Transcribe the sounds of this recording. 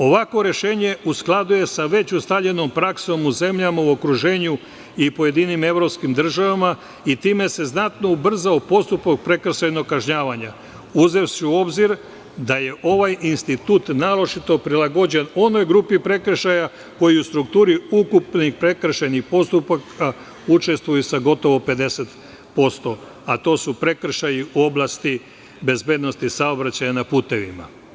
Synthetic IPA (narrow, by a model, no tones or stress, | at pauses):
o̞ʋakʋo̞ɾe̞ʃe̞ːɲe̞usklˠad̪uje̞saʋe̞t͡ɕust̪aʎe̞no̞mpɾakso̞muze̞mʎamauo̞kɾuʒe̞ːɲu | ipo̞je̞d̪inime̞ʋɾo̞pskimd̪r̩ʒaʋama | it̪iːme̞se̞znat̪no̞ubr̩zaopo̞st̪upak̚pɾe̞kr̩ʃajno̞ɡkːaʒɲaːʋaɲa | uze̞wsiuo̞bziɾ | d̪aje̞ʔo̞ʋajinst̪it̪ut̪naːɾo̞t͡ʃit̪o̞pɾilaɡo̞d͡ʑe̞no̞no̞jɡɾuːpipɾe̞kr̩ʃaja | ko̞jiust̪ɾuk̚t̪uːɾiukupnixpɾe̞kr̩ʃenixpo̞st̪upakʰa | ut͡ʃe̞st̪ʋujusaɡo̞t̪o̞ʋo̞pe̞d̪e̞set̪ | po̞st̪o̞ | at̪o̞ːsupɾe̞kr̩ʃajiuo̞blˠast̪i | be̞zbe̞d̪no̞st̪isao̞bɾat͡ɕajanapuːt̪e̞ʋḭma̰